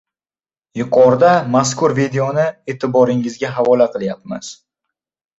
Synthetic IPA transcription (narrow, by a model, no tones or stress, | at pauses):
jʊqʰɒɾd̪amaskʊɾvid̪ejonɪe̞ːt̪ʰɪbɒɾɪŋɪzɡʲaɦavɒlaqɨlˠjap̚mɪ̰z̥